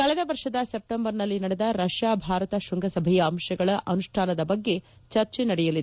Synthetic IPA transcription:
kɐɭɛd̪ɐʋɐɾʂɐd̪ɐsep̚ʈembɐɾnɐlːinɐɽɛd̪ɐɾɐʃjaːbʱaːɾɐt̪ɐʃuŋɡɐsɐbʱɛjɐːmʃɐɡɐɭɐʔɐnuʂʈʰaːnɐd̪ɐbɐɡːe̞ | t͡ʃɐɾt͡ʃenɐɽɛjɐlid̪

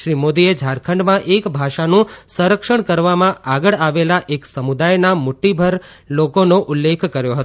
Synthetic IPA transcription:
ʃɾimod̪ied͡ʒʱaɾkʰəɳɖmãʔekbʱaʃanũsə̃ɾəkʃəɳkəɾʋamãʔaɡəɭaʋelaʔeksəmud̪ajnamʊʈːibʱəɾ | lokonoʔʊlːekʰkəɾjoɦət̪o

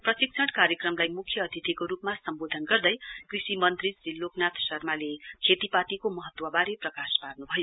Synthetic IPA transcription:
prʌsik̚sʰʌʈkaɾjekrʌmlajmukʰːjʌːd̪ʱit̪ʰikoɾupmasʌmbod̪ʱʌnɡʌrd̪ʌjkrisimʌnt̪rid͡zilːoknat̪ʰsʌrmalekʰet̪ipat̪ikomʌɦʌt̪wʌbaɾeprʌkasparnubʱʌjo

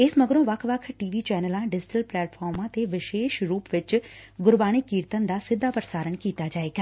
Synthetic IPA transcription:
ɪsməɡəɾõːʋəkʰʋəkʰʈiːʋiːt͡ʃɛːnəlãːɖɪd͡ʒɪʈəlplɛːʈpʰɔːɾmãːt̪eːʋɪʃeːʃɾuːpʋɪt͡ʃɡʊɾbaːɽ̃iːkiːɾt̪ənd̪aːsɪd̪ʱːaːpɾəsaːɾəɳkiːt̪aːd͡ʒaːeːɡaː

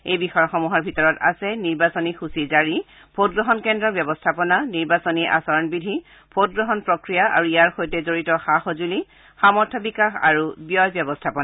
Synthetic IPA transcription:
ejbixɔjɔxɔmuɦaɹbʱitɔɹɔta̰sɛniɹbasɔnixusizaɹi | pʰotɡɹɔɦɔnkɛndɹɔbjɔbɔstʰapɔnaniɹbasɔniʔa̰sɔɹɔnbidʱi | pʰot̚ɡɹɔɦɔnpɹɔkɹijaʔa̰ɹuijaɹxojtɛzoɹitɔxaxozuli | xamɔɹtʰɔbikaxa̰ɹubjɔjbjɔbɔstʰapɔna

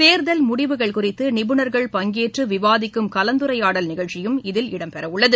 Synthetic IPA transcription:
t̪eːɾðɐlmʊɽɪʋɯɣɐɭkʊrɪt̪ːɯnɪbɯnɐɾɣɐɭpɐŋɡeːʈrɯʋɪʋaːðɪkːɯmkɐlɐnd̪ɯɾɐjaːɽɐlnɪɣɐɭt͡ʃɪjɯmɪðɪlɪɽɐmpɛɾɐʋʊɭːɐðɯ

